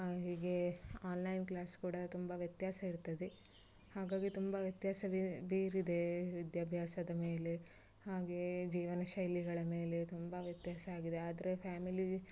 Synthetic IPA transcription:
ɦiːɡe̞aːnlɐjnklaːskuːɽɐt̪umbɐʋjɐt̪jaːsɐiɾt̪ɐd̪e | haːɡaːɡit̪umbɐʋjɐt̪jaːsɐbiːɾid̪e̞ʋid̪jaːbʱjaːsɐd̪ɐme̞ːle̞ | haːɡe̞d͡ʒiːʋɐnɐʃɐjliɡɐɭɐme̞ːle̞t̪umbɐʋjɐt̪jaːsɐaːɡid̪e̞aːd̪ɐɾepʰaːmili

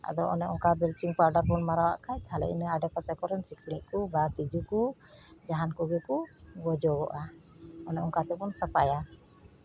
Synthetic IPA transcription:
a̰d̪ɔʔɔ̰nɛɔŋkabɛlt͡ʃiŋpaɾɖaɾbɔnmaɾawaʔkʰajt̪halɛ̰ʔḭnəaɖɛpasɛkɔɾɔnsikʰɽ̃iʔ̚kubat̪id͡ʒukud͡ʒaɦankɔɡɛkuɡɔd͡ʒɔɡɔ̰ʔa | ɔnɛɔŋkat̪ɛkɔnsəpa̰ja

